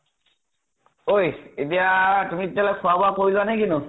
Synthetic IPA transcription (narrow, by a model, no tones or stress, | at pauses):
ojet̬ijatumiitjalɔjkʰʊabɔakoɹilʊanajk̬inʊ